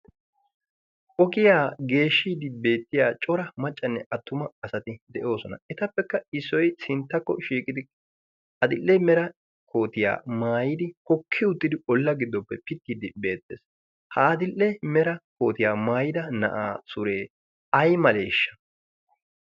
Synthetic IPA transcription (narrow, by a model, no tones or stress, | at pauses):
ʔɔkɪjaːɡe̞ːʃːiːd̪ɪbe̞ːt̪ːɪjaːt͡ʃʼɔɾɐmɐt͡ʃʼːɐnːɛʔɐt̪ːʊmɐːsɐt̪ɪd̪ɛʔo̞ːsɔnɐ̰ɛt̪ɐpːɛkːɐɪsːɔjsɪnt̪ːɐkːɔʃiːkʼɪd̪ɪ | ʔɐd̪ɪlːɛmɛɾɐ | kʰo̞ːt̪ɪja̰ːmaːjɪd̪ɪhɔkʰːɪʊt̪ːɪd̪ɪɔlːɐɡɪd̪ːɔpːɛpɪt̪ːiːd̪ɪbe̞ːt̪ːḛːs | hɐːd̪ɪlːɛmɛɾɐko̞̰ːt̪ɪjaːmaːjɪd̪ɐnɐ̰ʔaːsʊɾe̞ː | ɐjmɐleːʃːɐ̥